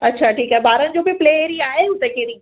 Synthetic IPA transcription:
ɐtːʃʰaʈʰiːkɦɛːbaːɾənd͡ʑoːbʱipleːeːɾiaːɦeʊt̪ekeːɾi

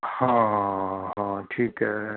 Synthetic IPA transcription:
hãːɦãːʈʰiːkɦɛ

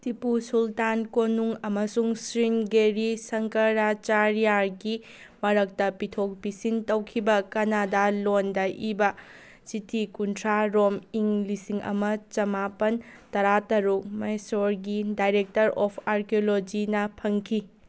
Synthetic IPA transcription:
tipusultankonuŋɐmɐsuŋsɾinɡeɾisɐŋkɐɾat͡ʃaɾijaɾɡi | mɐɾɐk̚tɐpitʰok̚bisintɐwkʰibɐkɐnadalondɐʔibɐ | sitʰikuntʰɾaɾomiŋlisiŋɐ̰mɐt͡ʃɐmapɐntɐɾatɐɾuk̚mɐjsoɾɡidajɾek̚tɐɾopʰaɾkʰiolod͡ʒinɐpʰɐŋkʰi

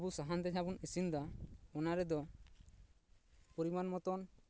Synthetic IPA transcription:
abusaɦand̪ɛɲabunisind̪aɔnaɾɛd̪ɔ | poɾimanmɔt̪ɔn

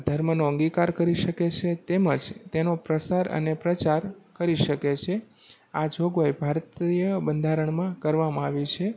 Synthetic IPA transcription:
d̪ʱəɾmənoəŋɡikaɾkəɾiʃəket͡ʃʰet̪eməd͡ʒt̪enopɾəsaɾə̰nepɾət͡ʃaɾkəɾiʃəket͡ʃʰe | ad͡ʒʱoɡʋajbʱaɾt̪ijəbənd̪ʱaɾəɳmãkəɾʋamãaʋit͡ʃʰe

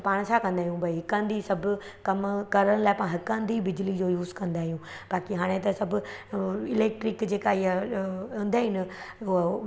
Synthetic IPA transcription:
paːɽ̃sʰakɐ̃nd̪aːijũbɐiɦɪkãːnd̪isɐbʱʊkɐmkɐɾəɽ̃laːɪpãːɦɪkãːnd̪ibɪd͡ʑʊlid͡ʑoːjuːzkɐ̃nd̪aːɦijũː | b̥aːkiɦaːɽ̃ẽt̪ɐsɐbʱʊɪleːk̚ʈɾɪkd͡ʑeːkaiɐʊ̃nd̪aːɦɪn

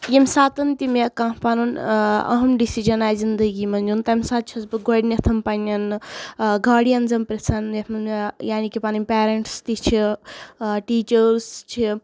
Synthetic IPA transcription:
jemʲsaːt̪ɐnt̪imekãːpanunɐ̰ɦɐmɖisid͡ʒɐnaːjzind̪əɡimɐnd͡ʒunt̪ɐmsaːt̪̚t͡ʃʰɐsbɨɡoɽnʲɐt̪ʰɐmpɐnʲɐn | ɡaːɽijɐnzɐmpɾet͡sʰɐnemɐnmejaːnikipaːnɐmʲpʲeːɾeɳʈst̪it͡ʃʰi | ʈiːt͡ʃəɾst͡ʃʰi

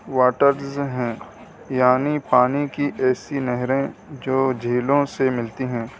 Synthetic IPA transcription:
ʋaːʈəɾzɦɛ̃ː | jaːnipaːnikiʔɛːsinɛɦɾẽd͡ʒoːd͡ʒʱiːlõsemɪlt̪iɦɛ̃ː

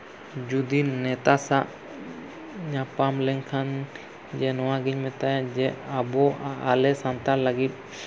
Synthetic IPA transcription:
d͡ʒud̪inɛt̪asaʔ | ɲapamlɛŋkʰan | d͡ʒɛnɔwaɡiɲmɛt̪ajad͡ʒɛabɔalɛsant̪aɾlaɡit̪̚

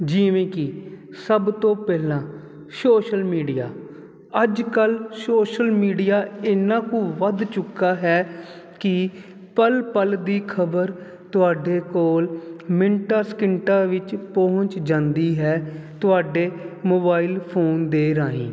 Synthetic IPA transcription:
d͡ʒiːʋẽːkɪ | səbt̪õːpɛːɦlãː | soːʃəlmiːɖija̰ː | əd͡ʒkəlsoːʃəlmiːɖijaːɪnãːkũːʋəd̪t͡ʃʊkːaːɦɛː | kɪ | pəlpəld̪iːkʰəbəɾ | t̪ʊaːɖeːkoːlmɪɳʈaːskɪɳʈãːʋɪt͡ʃpɔːɦʊ̃ɲt͡ʃd͡ʒãːnd̪iːɦɛːt̪ʊaːɖeːmoːbaːiːlpʰoːnd̪eːɾaːḭ̃ː

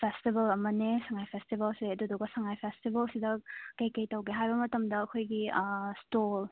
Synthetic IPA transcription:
pʰestibɐlɐmɐnesɐŋajpʰestibɐlseɐduduɡɐsɐŋajpʰestibɐlsidɐkɐjkɐjtɐwɡeɦajbɐmɐtɐmdɐːkʰojɡistol

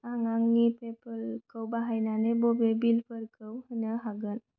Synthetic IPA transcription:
aŋaŋːipepəlkəwbaɦajnanebobebilpəɾkəwhənəɦaɡən

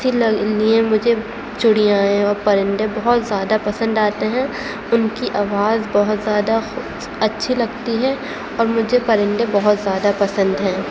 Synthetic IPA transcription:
silɐliẽmʊd͡ʒʱe | t͡ʃʊɽijaːẽɔːɾpɐɾɪ̃ɳɖẽbɐɦʊt̪zjaːd̪apɐsə̃nd̪aːt̪eɦɛ̃ː | ʊnkiʔaːʋaːzbɔɦʊt̪zjaːd̪a | ɐtːʃʰilɐɡt̪iɦɛ | ɔːɾmʊd͡ʒʱepɐɾɪ̃ɳɖẽbɐɦʊt̪zjaːd̪apɐsə̃nd̪ɦɛ̃ː

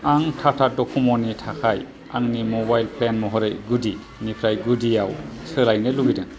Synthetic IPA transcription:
aŋtʰatʰadɔkʰɔmɔnitʰakʰaj | a̰ŋnimɔbajlpʰlenmɔɦɔɾɯjɡudi | nipʰɾajɡudijawsɯlajnɯluɡidɯŋ

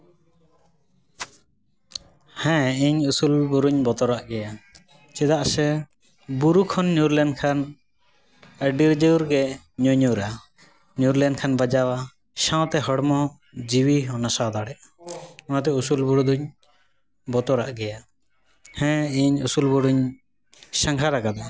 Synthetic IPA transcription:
hɛ̃iɲusulbuɾuɲbɔt̪ɔɾaʔɡɛja | t͡ʃɛd̪aʔsɛ | buɾukʰɔnːjuɾlɛnkʰan | əɖiɾd͡ʒəwɾɡɛ | ɲɔɲuɾa | njuɾlɛnkʰanbad͡ʒawa | ʃãt̪ɛɦɔɽmɔ | d͡ʒiwiɦɔnasad̪aɽɛʔ | ɔnat̪ɛusulbuɾud̪uɲ | bɔt̪ɔɾaʔɡɛja | hɛ̃iɲusulbuɾuɲ | sãŋkʰaɾakad̪a

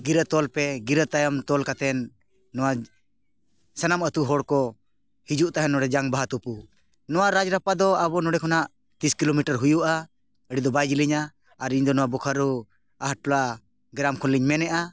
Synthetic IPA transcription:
ɡiɾət̪ɔlpɛɡiɾət̪ajamt̪ɔlkat̪ɛnː | ɔwa | sanamət̪uɦɔɽkɔ | hid͡ʒuʔt̪aɦɛnɔɽɛd͡ʒaŋbaɦat̪upu | nɔwaɾad͡ʒɾapad̪ɔabɔnɔɖɛkʰɔnaʔ | t̪iskilomiʈaɾɦujuʔa | əɽid̪ɔbajd͡ʒiliɲaː | ɾiɲd̪ɔnɔwabɔkʰaɾu | aɦaʈ̚pɔla | ɡɾamkʰɔnliɲmɛnɛʔa

